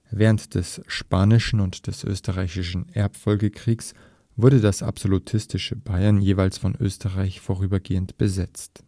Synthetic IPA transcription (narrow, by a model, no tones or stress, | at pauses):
vɛːʁəntd̥ɛsʃpaːnɪʃn̩ʊntd̥ɛsʔø̰ːstəʁaɪçɪʃn̩ʔɛɐpfɔlɡəkʁ̥iːks | v̥ʊɐdədasa̰pz̥olutʰɪstɪʃəbaɪɐnjeːvaɪlsfɔnʔø̰ːstəʁaɪçfoːʁ̞yːbɐɡeːəntb̥əzɛt͡st